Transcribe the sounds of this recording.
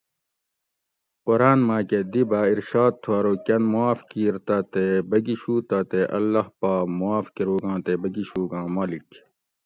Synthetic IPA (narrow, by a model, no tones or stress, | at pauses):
qoɾaːnmãːked̪ibaːiɾʃaːd̪̚t̪ʰuaːɾoːkɐnmuaːfkiːɾt̪at̪ebɐɡiɕuːt̪aːt̪eʔɐ̰lːɐhpaːmuaːfkiɾuːɡãːt̪ebɐɡiɕuːɡãːmɐlik